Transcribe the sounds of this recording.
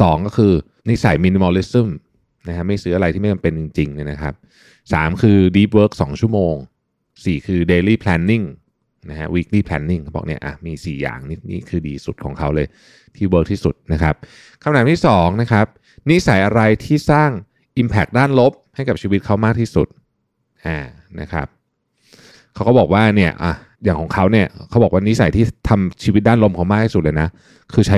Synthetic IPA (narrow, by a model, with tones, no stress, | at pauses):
sɔː˩˦ŋkɔː˥˩kʰɯː˧ | ni˦˥sa˨˩˦jmiː˧ni˧moː˧li˦˥sɯ˥˩m | na˦˥kʰa˦˥ma˥˩jsɯː˦˥a˧ɾa˧j̪ʰiː˥˩m˥˩t͡ɕa˧mpe˧nt͡ɕi˧ŋt͡ɕi˧ŋni˦˥˩na˦˥kʰa˦˥p̚ | sa̰ː˩˦mkʰɯː˧diː˦˥p̚wəː˦˥k̚sɔː˩˦ŋt͡ɕʰu˥˩moː˧ŋ | siː˨˩kʰɯː˧deː˧liː˥˩pʰlɛ˦˥nːi˥˩ŋ | na˦˥kʰa̰˦˥wi˦˥k̚liː˥˩pʰlɛ̰ː˧˥nːi˥˩ŋ˦˩bɔ̰ː˨˩kni˦˥ɐʔa̰˨˩miː˧sḭː˨˩ja̰ː˨˩ŋni˦˥˩nḭː˥˩kʰɯː˧diː˧su˨˩t̪̚kʰɔ̰ː˩˦ŋkʰa˦˥wlɤː˧j | t̪ʰiː˥˩wə˦˥k̚t̪ʰiː˥˩su˨˩t̪̚na˦˥kʰa˦˥p̚ | kʰa˧mt̪aː˨˦mt̪ʰiː˥˩sɔː˩˦ŋna˦˥kʰa˦˥p̚ | ni˦˥sa˨˩˦jʔa˧ɾa˧jt̪ʰiː˥˩saː˥˩ŋ | ʔi˧mpʰɛ˨˩k̚daː˥˩nlo˦˥p̚ha˥˩jka˨˩p̚t͡ɕʰi˧wi˦t̪̚kʰa˦˥wmaː˥˩k̚t̪ʰiː˥˩sṵ˨˩t̪̚ | ʔaː˨˩ | na̰˦˥kʰa̰˦˥p̚ | kʰa˦˥wkɔ˥˩bɔː˨˩k̚waː˥˩ni˥˩ɐʔa˨˩ | jaː˨˩kʰɔː˩˦ŋkʰa˦˥wni˥˩ɐkʰa˦˥wbɔː˨˩k̚waː˥ni˦˥sa˨˩˦jt̪ʰiː˥˩t̪ʰa˧mt͡ɕʰiː˧wi˦˥daː˥˩nlo˦˥mkʰa˦˥maː˥˩k̚t̪ʰiː˥˩u˨˩t̪̚lːjna˦˥ | kʰɯː˧t͡ɕʰa˦˥